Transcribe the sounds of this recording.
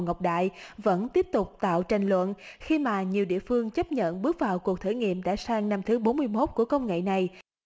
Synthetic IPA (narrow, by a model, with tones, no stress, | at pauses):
ŋə˨˩wk͡p̚ɗa̰ː˧˨jvə̰˧˥nt̪i˦˥əp̚t̪ʊ˨˩k͡p̚t̪a̰ː˧˨wt͡ɕa˨˩jŋ̟lwə̰˧˨nxi˧maː˨˩ɲi˨˩əwɗḭ˧˨əfɨ˧əŋt͡ɕə˦˥p̚ɲə̰˧˨nɓɨ˦˥ək̚vaː˨˩wku˨˩ək̚t̪ʰə˧˩ŋḭ˧˨əmɗa̰ː˧˥saː˧ŋna˧mt̪ʰɨ˨˦ɓo˨˦nmɨ˧əjmo˦˥t̚ku˧˩əkə˧wŋ͡mŋḛ˧˨na˨˩j